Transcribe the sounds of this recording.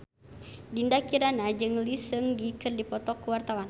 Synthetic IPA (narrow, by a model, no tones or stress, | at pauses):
dindakiɾanad͡ʒɨŋlisɨŋdikɨrdipɔt̪ɔkːəwart̪awan